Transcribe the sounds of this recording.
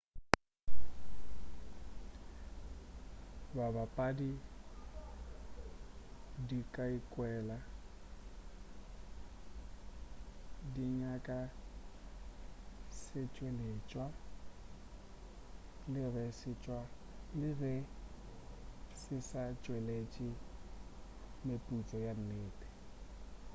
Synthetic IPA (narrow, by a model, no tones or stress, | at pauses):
babapʼadi | dikʼaikʼwɛːla | diɲakʼa | sɪt͡ʃʼwelet͡ʃʼwa | lɪɣɛsɪt͡ʃʼwa | lɪɣɛ | sɪsat͡ʃʼwelet͡ʃʼɪ | mepʼut͡sʼɔjan̩neːtʼɛ̥